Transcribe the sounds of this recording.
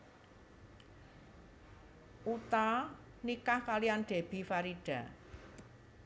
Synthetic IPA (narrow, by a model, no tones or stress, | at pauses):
ʔut̪a | nikahkalijanɖ̥e̤b̥i̤faɾiɖ̥a̤